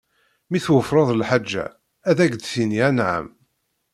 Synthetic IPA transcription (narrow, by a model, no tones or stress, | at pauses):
miθwəfɾˤɑðˤlħad͡ʒːæ̰ | æðæɡd̪θiniænʕa̰m